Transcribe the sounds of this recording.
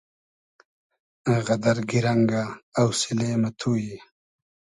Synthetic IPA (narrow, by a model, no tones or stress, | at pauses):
aɣɐd̪aɾɡiɾaŋɡaːwsileːmat̪ʰuːji